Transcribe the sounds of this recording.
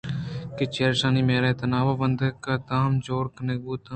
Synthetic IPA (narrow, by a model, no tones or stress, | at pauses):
ket͡ʃeːɾʃaːnimeːɾat̪ɐnaːʋaːbə̃nd̪ʱəkad̪aːmd͡ʒoːɾkɐneɡuːt̪ː